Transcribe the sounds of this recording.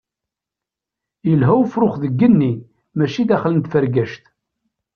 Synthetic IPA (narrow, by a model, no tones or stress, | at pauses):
jəlɦæwfɾʊχðəɡːənːi | mæʃid̪æχlənt̪fəɾɡæʃt̪